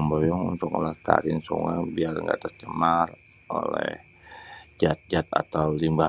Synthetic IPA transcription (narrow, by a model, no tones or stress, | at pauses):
mbojɔŋunt̪ʊko̰lɛht̪a̰ɾɪnsṵŋaŋbiarŋɡa̰t̪ərt͡ʃəmar | o̰lɛ̰h | d͡ʒat̪̚d͡ʒat̪a̰t̪awlimba